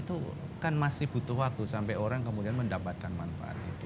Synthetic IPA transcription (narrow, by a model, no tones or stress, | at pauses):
t̪u | kanmasɪhb̥ut̪uɦak̚t̪usampɛjoɾaŋkəmudianməndapat̪̚kanmanfa̰a̰t̪̚ḭt̪u